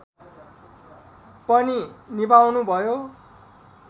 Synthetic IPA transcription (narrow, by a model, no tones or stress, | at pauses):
pʌninibawnubʱʌjo